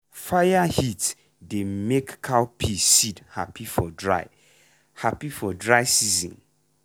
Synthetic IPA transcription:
fajahit | demekːʰawpʰisidhapʰifɔdɹa̰ɪ | hapifɔdɹaɪsizḭ̃n

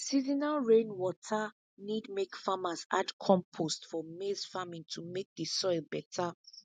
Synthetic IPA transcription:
sizinaɹẽnwɔtʰa | nidmekfamaza̰dkʰɔ̃mpʰostfɔmezfamĩŋtʰumek̚dəsɔɪlbɛtʰa

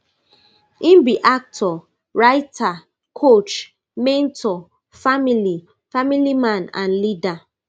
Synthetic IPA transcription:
ĩnbiʔak̚tʰɔ | ɹaɪtʰa | kʰot͡ʃ | mẽntʰɔ | famili | familimãnã̰nlida

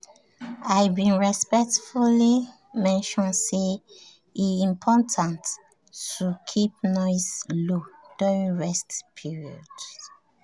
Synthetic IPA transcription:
ajbĩnɹispɛk̚tfuli | mɛ̃nʃɔ̃nse | iĩmpʰɔtʰãnt | tukʰip̚nɔɪslod̥uɹĩnɹɛstpʰiɹiɔ̰d̥

